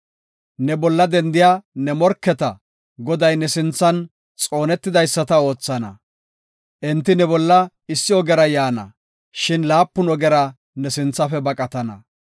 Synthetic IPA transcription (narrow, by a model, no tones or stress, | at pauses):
nɛbɔlːɐd̪ɛnd̪ɪjaːnɛmɔɾkːɛt̪ɐ | ɡɔd̪ɐjnɛsɪnt͡sːɐn | t͡sʼo̞ːnɛt̪ːɪd̪ɐjsːɐt̪ɐo̞ːt͡sːɐnɐ̰ | ʔɛnt̪ːɪnɛbɔlːɐ | ɪsːɪɔɡɛɾɐjaːnɐ̰ | ʃɪnlaːpːʊnɔɡɛɾɐ | nɛsɪnt͡sːɐfɛbɐkʼɐt̪ɐnɐ̰